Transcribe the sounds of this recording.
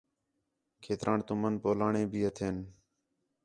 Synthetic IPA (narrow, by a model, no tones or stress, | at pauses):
kʰeːt̪ɾʔãːɳt̪ʊmənpoːlaːɳẽːbʱiːət̪ʰeːn